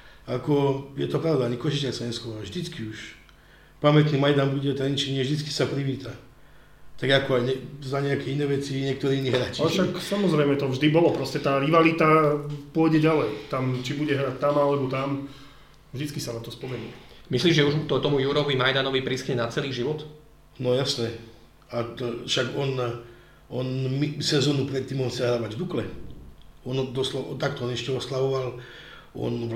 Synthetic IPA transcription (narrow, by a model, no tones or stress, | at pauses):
akɔjɛt̪ɔpɾaʊd̪aaɲikɔʃit͡ʃɛsaɲɛskɔɾʒd̪it͡skiuʃ | pamɛt̪nimajd̪anbuɟɛt̪ɾɛɲit͡ʃɛɲɪɛvʒd̪it͡ski̥sapɾiʋiːt̪a | t̪aɡakɔajɲɛzaɲɛakɛinɛːʋɛt͡siɲɪɛk̚t̪ɔɾiinːiɦɾat͡ʃaʃaksamɔzɾɛjmɛt̪ɔvʒd̪ibɔlɔpɾɔscɛt̪aːɾiʋalit̪apʊɔɟɛɟalɛjt̪amt͡ʃibuɟɛɦɾac̚t̪amalɛbɔt̪am | vʒd̪it͡skisanat̪ɔspɔmɛnumisliːʒʒɛuʒut̪ɔt̪ɔmujuɾɔʋimajd̪anɔʋipɾiskɲɛnat͡sɛliːʒiʋɔt̪ | nɔjasnɛ | at̪fʃaɡɔn | ɔnmisɛzɔːnupɾɛt̪ːiːmɔnt͡sɛɦɾaːʋaɟvd̪uklɛ | ɔnd̪ɔslɔt̪akt̪ɔɔnɛʃcɛɔslaʋɔʋal | ɔ̰n